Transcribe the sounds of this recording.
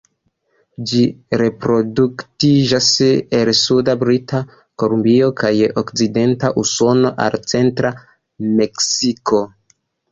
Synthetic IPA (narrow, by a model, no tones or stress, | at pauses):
d͡ʒiɾe̞pɾo̞duktid͡ʒaselsudabɾita | ko̞lumbio̞kajokt͡side̞ntaʔuso̞no̞ʔa̰lt͡se̞ntɾa | me̞ksiko̞